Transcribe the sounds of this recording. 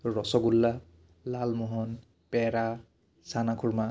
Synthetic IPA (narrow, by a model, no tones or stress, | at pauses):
ɹɔsɔɡulːa | lalmɔɦɔn | pɛɹa | sanakʰuɹma